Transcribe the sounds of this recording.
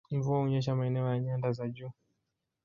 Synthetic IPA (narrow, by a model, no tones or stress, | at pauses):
ɱvuauɲɛʃ̬amaɛnɛɔjaɲandazaʄu